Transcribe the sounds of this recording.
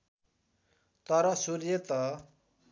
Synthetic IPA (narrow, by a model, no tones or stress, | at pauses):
t̪ʌɾʌsuɾjet̪ʌ